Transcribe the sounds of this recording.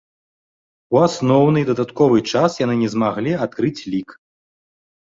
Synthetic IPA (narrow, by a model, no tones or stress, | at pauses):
uasnɔwnɨd̪ɐd̪at̪kɔvɨt͡ʂasjanɨnʲɛzmaɣlʲiat̪̚kɾɨt͡sʲlʲik